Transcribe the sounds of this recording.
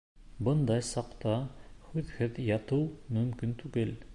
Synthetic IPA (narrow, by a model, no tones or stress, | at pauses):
bɤnd̪ɑjsɑqt̪ɑhʉðhɘðjɑt̪ɤwmɵ̆mkint̪ʉɡɘl